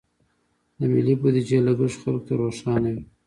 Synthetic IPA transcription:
d̪əmilibud̪id͡ʒelaɡəʐxalk̚t̪aɾoʃɑnawi

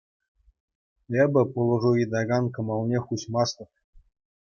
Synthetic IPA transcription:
ebʲɘ̆pulˠɤ̆ʐuid̪ɑɡɑnkɤ̆mɑlˠnʲeχuɕmɑst̪ɤ̆pʲ

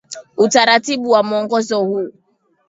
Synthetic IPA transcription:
utaɾatibuwamɔŋɡɔzɔhu

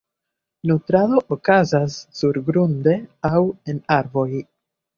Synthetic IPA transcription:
nutɾado̞ʔokazasːuɾɡɾunde̞awe̞naɾvo̞j

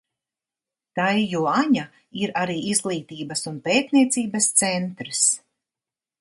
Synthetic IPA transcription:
t̪ajːuɔaɲa | iɾaɾiːizɡlˠiːt̪iːbɐsunpeːt̪niɛt̪siːbɐst̪sɛnt̪ɾs

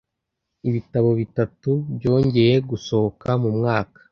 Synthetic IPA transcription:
iβitaβo̞βitatubɟo̞ːɲɟe̞je̞ɡuso̞hokamumŋaːkḁ

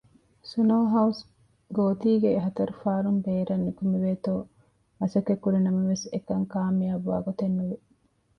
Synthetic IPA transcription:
sunoːɦɐus | ɡoːt̪iːɡeɦɐt̪ɐɾufaːɾumbeːɾɐnːikumiʋeːt̪oː | mɐsɐkːekːuɾinɐmɐʋesekɐŋkaːmijaʋːa̰ːɡot̪enːuʋe

